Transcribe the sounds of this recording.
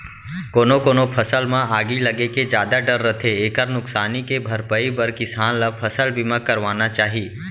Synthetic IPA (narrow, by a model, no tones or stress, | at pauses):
koːnokoːnopʰɐsəlmãaːɡilɐɡeked͡ʒjaːd̪aɖəɾːət̪ʰeeːkəɾnʊksaːnikebʱɐɾpəibəɾkɪsaːnlapʰəsəlbimãkəɾʋaːnat͡ʃaːɦiː